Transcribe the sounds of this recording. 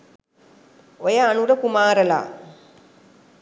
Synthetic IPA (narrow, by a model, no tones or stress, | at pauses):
ojəanuɾəkumaːɾəla̰ː